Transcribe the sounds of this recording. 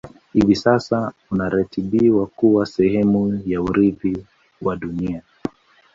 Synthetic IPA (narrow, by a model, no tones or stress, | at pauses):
hivisasaunaɾatiɓiwakuwasɛhɛmujauɾivi | waɗunia